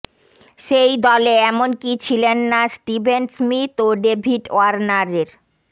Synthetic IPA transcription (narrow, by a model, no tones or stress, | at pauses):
ʃejd̪ɔleɛmonkit͡ɕʰilenːasʈibʱensmit̪oɖebʱiʈoaɾnaɾeɾ